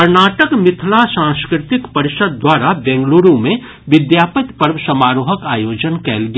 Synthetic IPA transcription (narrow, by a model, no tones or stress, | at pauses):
kəɾnaːʈəkmɪt̪ʰlasãskɾɪt̪ɪkpəɾɪʃəd̪̚ːwaːɾabɛ̃ŋɡluːɾõmẽ | ʋɪd̪jaːpət̪pəɾməsəmaːɾoːɦəkaːjoːd͡ʒənkɛ̰ːlɡ